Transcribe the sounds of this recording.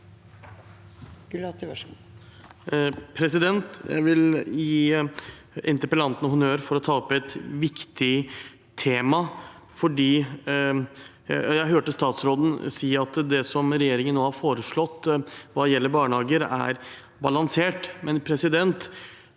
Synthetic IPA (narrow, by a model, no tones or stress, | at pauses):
pʰɾɛsɪd̪ɛnt̪jæ̰ɪʋɪljiː | ɛ̰nt̪əpəlɑnt̪nəhʊnøːɾfɔɾɔt̪ʰɑːɔpːɛt̪ʋɪkt̪ʰɪ | t̪ʰeːmɑ | fɔɖiː | jæɪɦøːʈəst̪ɑːt̪sɾoːd̪n̩siːəɑt̪d̪ɛsɔmɾɛjeːɾɪŋənːoːhɑɾfoːɾəʂɭɔt̪ːʋɑːjɛlːəɾbɑːɳəhɑːɡəɾæ̰ɾ | bɑlɑnseːʈmɛnpʰɾɛsɪd̪ɛnt̪